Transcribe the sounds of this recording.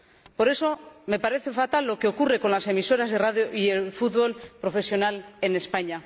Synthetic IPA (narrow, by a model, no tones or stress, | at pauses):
po̞ɾe̞so̞me̞paɾe̞θe̞fat̪alːo̞keo̞kure̞ko̞nlase̞miso̞ɾazðeraðjoʔielfut̪βo̞lpɾo̞fe̞sjo̞nale̞ne̞spaɲa